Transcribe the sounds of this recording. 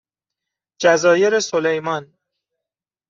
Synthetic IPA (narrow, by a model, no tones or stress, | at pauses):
d͡ʒæzɒːje̞ɾesolejmɒn